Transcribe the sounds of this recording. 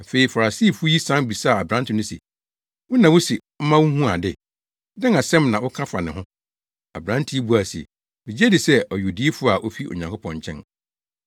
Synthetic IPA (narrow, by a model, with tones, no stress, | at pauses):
a˨fe˨i˨fa˨ɾa˨siː˦˨fu˦o˦i˦sã˦n˦bi˨sa˦˨a˨bɾã˦ntɪ˨nʊ̃˦sḭ˨ | wʊ˦nã˨wʊ˦si˨ | m̩˦mã˦wu˦hũ˦a˨dɪ˦ | dɛ̃˦ŋa˨sɛ̃˦mnã˨wʊ˦kʰã˦fa˨nɪ̃˨ɦʊ̃˦ | a̰˨bɾã˦ntʰi˦e˦bu˨˦a˨sḭ˨ | mĩ˨d͡ʑe˦dɪ˨sɛ˦ʔɔ˨ju˨di˦e˦fu˦a˨ʔo˦fi˦o̰˨ɲã˨ŋkʰʊ˦pʰɔ̃˨ɲ˨t͡ɕʰɛ̰̃˦n